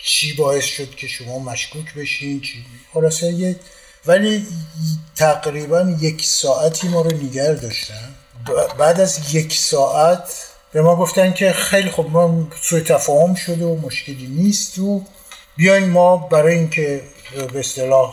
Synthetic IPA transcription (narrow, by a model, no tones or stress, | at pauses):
t͡ʃʰiːbɒːe̞sʃod̪cʲʰe̞ʃo̞mɒːmæʃkʰuːcʰbe̞ʃint͡ʃʰixolɒːseje | væli | t̪ʰæɡɾiːbænje̞kʰsɒːʔæt̪ʰiːmɒːɾoneɡæɾd̪ɒːʃt̪æn | bæːd̪æzje̞cʰsɒːʔæt̪ʰ | b̥e̞mɒːɡo̞ft̪ænkʲʰe̞xejlixobmɔsuet̪ʰæfɒːho̞mʃo̞d̪eomoʃce̞liːniːst̪o | bijɒjnmɒːbæɾɒːjeiŋnkʰe̞beːst̪elɒːh